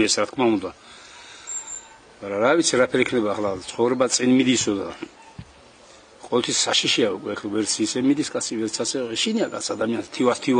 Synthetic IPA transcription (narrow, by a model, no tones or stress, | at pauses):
ɛsɾat̪̚ʰkʰmaund̪a | maɾaɾavit̪sʰiɾapʰɛɾikʰnɛbaːχlat̪sʰχɔvɾɛbat̪sʼinmid̪isɔd̪a | qʼɔvɛlt̪ʰisːaʃiʃiaukʼwɛɛχɛvɛɾt̪sʰiːsɛmid̪iskʼat̪sʰivɛɾt̪sʰasɛɔɛʃiniakʼa̰t̪sʰad̪amianst̪ʰivast̪ʰi